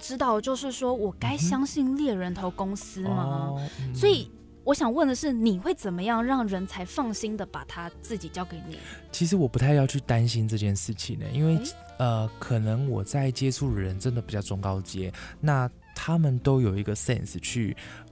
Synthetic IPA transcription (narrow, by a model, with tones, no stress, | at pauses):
ʈ͡ʂɻ̩˥t̪ɑ˥˩ʊə˩t͡ɕjo˥˧ʊʂɻ̩˥˩ʂwɔ˥wɔ˨˩ka˥ɪɕjɑ˥ŋɕi˥˧nljɛ˥˩ɻə˧˥nt̪ʰo˧˥ʊkʊ˥ŋsɹ̩˥ma˧swɔ˧˥i˨˩ | wɔ˧˦˥ɕjɑ˨˩ŋwə˥˩nd̪ə˩ʂɻ̩˥˩ni˨˩xwe˥˩ɪt͡sə˨˩nmə˦jɑ˥˧ŋɻɑ˥˩ŋɻə˧˥nt͡sʰa˧˥ɪfɑ˥˩ŋɕi˥nd̪ə˨pa̰˨˩t̪ʰa˥t͡sɹ̩˥˩t͡ɕi˨˩t͡ɕjɑ˥ʊke˧˥ɪnḭ˨˩t͡ɕʰi˧˥ʂɻ̩˧˥wɔ˨˩pu˧˥t̪ʰa˥˧ɪjɑ˥˧ʊt͡ɕʰy˥˩t̪a˦˥nɕi˥nʈ͡ʂɤ˥˧t͡ɕjɛ˥˧nʂɻ̩˥˩t͡ɕʰi˨˩ŋə̰˦i˦˥nwe˥˩ɪ | ə˧kʰɤ˨˩nə˧˦ŋwɔ˨˩t͡sa˥˩ɪt͡ɕjɛ˥ʈ͡ʂʰu˥˩ɻə˧˦nʈ͡ʂə˦nd̪ə˨˩pi˨˩t͡ɕjɑ˥˩ʊʈ͡ʂʊ˥˧ŋkɑ˥˧ʊt͡ɕjɛ˦na˥˩ | t̪ʰa˥mə˨nt̪o˥ʊjo˨˩ʊi˧˥ɡə˧sɛ̰˥˨ns̩˨t͡ɕʰy˥˩